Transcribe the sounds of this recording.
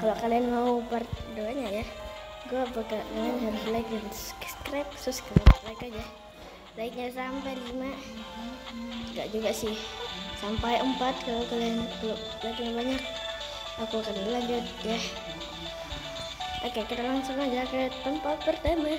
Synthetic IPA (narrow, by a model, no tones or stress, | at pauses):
kalokalianmaupərduaɲaja | ɡuapakaʔduanɦaɾʊslaɪk̚dansskɾɛp̚sʊskɾɛplaikad͡ʒa | laɪk̚ɲasampajlima | ŋɡa̰ʔd͡ʒuɡasɪhsampajʔəmpat̪̚kalokaliankalo | baik̚ɲabaɲak̚ | akukanalaɲd͡ʒʊt̪̚ja | ʔokekit̪alaŋsʊŋad͡ʒakət̪əmpat̪̚pərt̪ama